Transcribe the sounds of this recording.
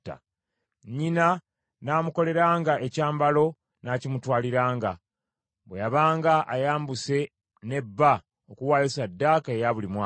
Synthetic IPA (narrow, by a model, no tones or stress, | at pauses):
ta̰ | ɲina | naːmuko̞le̞ɾaːŋɡaʔecaːmbalo̞ | naːcimutwaːliɾaːŋɡa | βwejaβaːŋɡaʔajaːmbuse̞ | ne̞bːa | okuwaːjusadːaːkae̞jaβulimwa